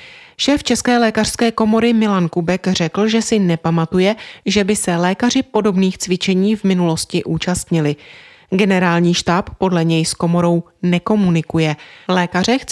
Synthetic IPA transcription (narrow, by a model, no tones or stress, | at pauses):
ʃɛːft͡ʃɛskɛːlɛːkar̥skɛːko̞mo̞ɾɪmɪlankubɛkr̝ɛkl̩ʒɛsɪnɛpamat̪ujɛʒɛbɪsɛlɛːkar̝ɪpo̞do̞bniːxt͡svɪt͡ʃɛɲiːvmɪnulo̞scɪʔuːt͡ʃast̪ɲɪlɪ | ɡɛnɛɾaːlɲiːʃt̪aːpːo̞dlɛɲɛjsko̞mo̞ɾo̞w | nɛko̞munɪkujɛlɛːkarɛx